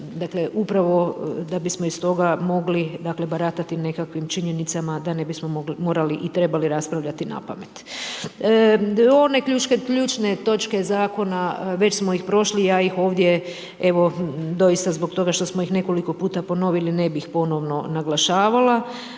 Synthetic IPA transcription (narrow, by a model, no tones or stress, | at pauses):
d̪akle̞ʔupɾaʋo̞d̪abismoist̪o̞ɡamo̞ɡlid̪akle̞baɾat̪at̪ine̞kakʋimt͡ʃiɲenit̪samad̪ane̞bismo̞oɡlimo̞ːɾaliʔit̪ɾe̞baliɾaspɾaʋʎʲat̪ina̰pamet̪ː | o̞ne̞kʎut͡ʃkekʎuːt͡ʃne̞t̪o̞t͡ʃke̞zaːko̞naʋe̞t͡ɕsmoixpɾo̞ʃlijaːixo̞ːʋd̪ʲje̞ | e̞ʋo̞d̪o̞jist̪azbo̞kt̪o̞ɡaʃt̪o̞smoixne̞ko̞liko̞puːt̪apo̞no̞ʋiline̞bixpo̞no̞ʋno̞naɡlˠaʃaːʋala